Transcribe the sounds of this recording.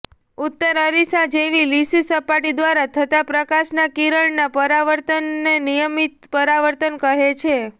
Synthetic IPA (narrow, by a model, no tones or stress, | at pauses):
ʊt̪ːəɾəɾisad͡ʒeʋilisisəpaʈid̪ʋaɾat̪ʰət̪apɾəkaʃnakiɾəɭnapəɾaʋəɾt̪ənːenijəmit̪pəɾaʋəɾt̪ənkəɦet͡ʃʰe